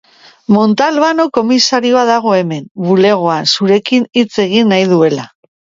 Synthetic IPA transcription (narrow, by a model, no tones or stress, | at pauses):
mo̞nt̪alβano̞ko̞misaɾio̞aðaɣ̞o̞e̞me̞mβule̞ɣ̞o̞ansuɾe̞kinit͡se̞ɣ̞inːajðue̞la